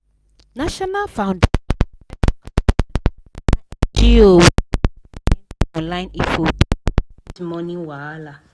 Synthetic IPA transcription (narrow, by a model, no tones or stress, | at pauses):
naʃɔnalfãw̃nd | d͡ʒio | ɔ̃nlajnifod | imɔnĩwala